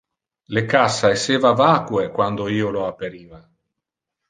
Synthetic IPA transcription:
lekasːaeseːvavaːkwekwand̪oiːoloapeɾiːva

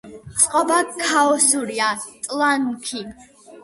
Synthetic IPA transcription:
sʼqʼɔbakʰːaɔsuɾiat̪ʼlankʰi

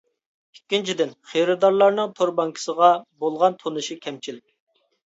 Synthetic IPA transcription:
ikʲːint͡ʃʰid̪ɪnχeɾɨd̪ɑɾlˠɑɾnɨŋt̪ʰoɾbɑŋkʰi̥səʁɑbolˠʁɑnt̪ʰonɨʃikʲʰɛmt͡ʃʰilɪkʲ

